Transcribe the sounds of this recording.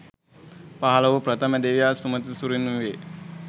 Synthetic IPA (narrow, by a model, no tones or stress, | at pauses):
paɦɐlɐʋupɾɐt̪ʰəməd̪eʋijaːsumət̪isuɾinuʋe